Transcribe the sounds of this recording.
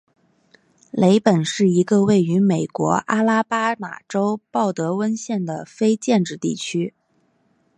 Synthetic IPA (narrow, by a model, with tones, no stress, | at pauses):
le˧˥ɪpə˨˩nʂɻ̩˥˩i˧˥ɡə˧we˥˩ɪy˧˥me˨˩ɪkwɔ̰˧˥ʔa˥la˥pa˥ma̰˨˩ʈ͡ʂo˥ʊpɑ˥˩ʊt̪ɤ˧˥wə˥nɕjɛ˥˩nd̪ə˩fe˥ɪt͡ɕjɛ˥˧nʈ͡ʂɻ̩˥˧t̪i˥˩t͡ɕʰy˥